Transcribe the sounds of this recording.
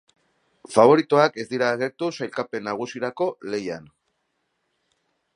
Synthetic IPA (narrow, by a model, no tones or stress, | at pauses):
faβ̞o̞ɾit̪oake̞zd̪iɾaːɣe̞ɾt̪usajlkape̞nːaɣ̞usiɾako̞le̞jan